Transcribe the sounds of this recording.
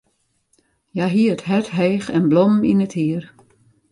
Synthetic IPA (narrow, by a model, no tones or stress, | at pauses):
jaɦiətɦɛtɦɛːxɛnblɔmninəthiər